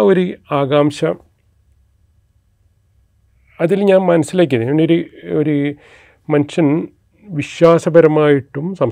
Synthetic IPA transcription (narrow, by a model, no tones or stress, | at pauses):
o̞ɾuaːɣaːmɕɐ | ɐðilɲaːnmɐnɐsːilaːk̬ːunɐɳɖoɾuoɾu | mɐnɕɐn | ʋiɕwaːsɐbɐɾɐmaːjiʈːumsɐm